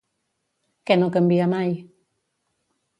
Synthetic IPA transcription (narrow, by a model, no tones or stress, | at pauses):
kɛnokəmbiamaj